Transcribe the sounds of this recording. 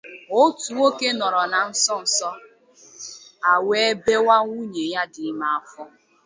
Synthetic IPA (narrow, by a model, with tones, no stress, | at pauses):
o˦tu˨wo˦ke˦nɔ˨ɾɔ˨na˨n̩˦sɔ˦n̩˨sɔ˦ | a˨we˦be˦wa˦ŋʷu˦ɲe˨ja˦dɪ˨˦ma˦a˦fɔ˦